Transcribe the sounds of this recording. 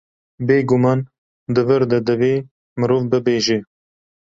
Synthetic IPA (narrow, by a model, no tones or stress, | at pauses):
beːɡʊmɑːn | d̪ɨvəɾd̪ɛd̪ɨveː | mɨɾoːvbɨbeːʒe